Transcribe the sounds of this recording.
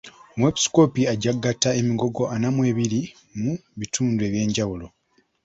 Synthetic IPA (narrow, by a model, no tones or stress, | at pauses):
mwepi̥sko̞piaɟaɡatae̞miɡo̞ɡo̞ʔanamwe̞ːβiɾi | muβitʰuːndue̞ːβje̞ːɲɟawulo̞